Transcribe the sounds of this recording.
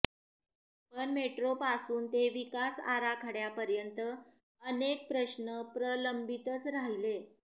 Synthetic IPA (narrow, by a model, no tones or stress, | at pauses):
pəɳmeʈɾopasuːnt̪eʋikasa̰ɾakʰaɽjapəɾjənt̪ə | ənek̚pɾəɕnəpɾələmbit̪ət͡sɾaɦile